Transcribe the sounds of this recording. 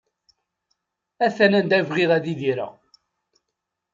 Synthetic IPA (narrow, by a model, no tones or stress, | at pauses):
æθænænd̪ævʁiðæðiðiɾæ̰